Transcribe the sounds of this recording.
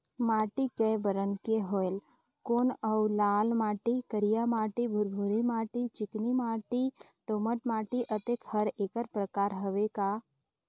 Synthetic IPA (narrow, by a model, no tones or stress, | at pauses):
maːʈikɛbəɾənkeɦoel | koːnəwlaːlmaːʈikəɾijamaːʈibʱʊɾbʱuɾimaːʈit͡ʃɪknimaːʈi | ʈoːməʈmaːʈiʔət̪ekhəɾeːkəɾpɾəkaːɾɦəʋekaː